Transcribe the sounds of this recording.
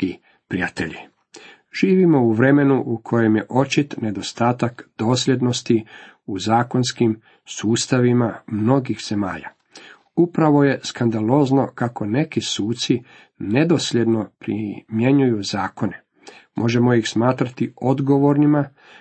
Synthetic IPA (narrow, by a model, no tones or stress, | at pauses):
i | pɾijat̪ḛʎḭ | ʒ̥iːʋimo̞uʋɾe̞me̞nuʔukʰo̞je̞mjeʔo̞t͡ʃit̪ne̞d̪o̞st̪aːt̪akd̪̥o̞ːsʎʲe̞d̪no̞st̪i | uzaːko̞nskim | suːst̪aʋimamno̞ɡixz̥e̞ma̰ːʎa̰ | upɾaʋo̞je̞skand̪aloːzno̞kako̞ne̞kisuːt̪si | ne̞d̪o̞sʎʲe̞d̪no̞pɾḭmje̞ɲujuzaːko̞ne̞ | mʔo̞ʒe̞mo̞ixsmaːt̪ɾat̪io̞d̪ɡo̞ʋo̞ɾnima